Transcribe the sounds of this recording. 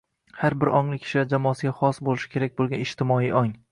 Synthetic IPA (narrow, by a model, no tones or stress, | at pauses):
haɾbɪɾɒŋlˠɪkʲʰɪ̥ʃlad͡ʒamɒːsɪɡʲaχɒsbolɪʃɪ̥kʲʰe̞ɾak̚ʲbolˠɡʲanɪʃt̪ʰɪmɒiːʔɒŋ